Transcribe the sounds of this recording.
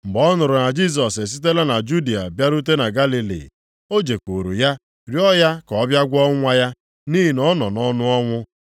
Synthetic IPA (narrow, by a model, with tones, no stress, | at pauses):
mŋ͡m̩˨ɡ͡bɔ˦nʊ˨ɾʊ˨na˨d͡ʒi˦s̬ɔ˨se˨s̬i˦t̬e˦la˦na˨d͡ʒu˦di˨a̰˨bja˦ɾu˦t̬e˦na˨ɡa˦li˨lḭ˨ | o˦d͡ʒe˨kʷo˨ɾṵ˨ja˦ | ɾjɔ˦ja˦kɔ˨˦bja˦ɡʷɔ˦ŋʷa˦ja˦ | ni˦ɦi˨nɔ˦nɔ˨nɔ˦nʊ˦ɔ˦ŋʷʊ˦